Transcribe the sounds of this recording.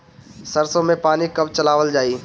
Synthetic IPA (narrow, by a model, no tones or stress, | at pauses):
sɐɾsõmẽpaːnikɐbt͡ʃɐlaːʋəld͡ʒaːiː